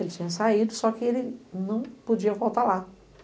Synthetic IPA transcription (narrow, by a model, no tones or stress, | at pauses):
elɪt͡ʃĩɲɐsaid̪ʊsɔkɪelɪnɐ̃w̃pod͡ʒiɐvowˠt̪ala